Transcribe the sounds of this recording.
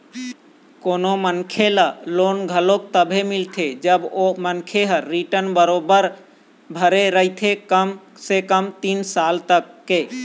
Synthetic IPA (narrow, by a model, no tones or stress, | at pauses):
koːnomənkʰelaloːnɡʱəlok̚t̪əbʱemɪlt̪ʰed͡ʒəbomənkʰeɦəːiʈənbəɾobəɾ | bʱəɾeɾəɦɪt̪ʰekəm | sekəmt̪iːnsaːlt̪əkːe